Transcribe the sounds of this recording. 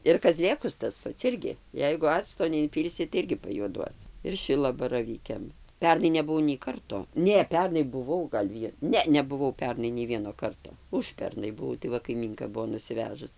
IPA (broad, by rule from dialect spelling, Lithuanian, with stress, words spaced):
ɪr kɐˈzʲlʲeːkʊs tɐs ˈpɐts ˈɪrʲɡʲɪ ˈjɛɪɡʊ ˈɑːt͡stoː nʲɛɪnʲˈpʲiːlʲsʲɪ tɐɪ ˈɪrʲɡʲɪ pɐjuɔˈduɔs ɪr ˈʃʲɪlˠɐbɐrɐʋʲiːkʲɛm ˈpʲɛrnɐɪ nʲɛbʊˈʋɐʊ nʲɛɪ ˈkɐrtoː ˈnʲɛ ˈpʲɛrnɐɪ bʊˈʋɐʊ ɡɐlʲ ˈʋʲiɛ ˈnʲɛ nʲɛbʊˈʋɐʊ ˈpʲɛrnɐɪ nʲɛɪ ˈʋʲiɛnoː ˈkɐrtoː ˈʊʃʲpʲɛrnɐɪ bʊˈʋɐʊ tɐɪ ˈʋɐ kɐɪˈmʲiːŋkɐ ˈbuɔ nʊsʲɪˈʋʲæːʒʊs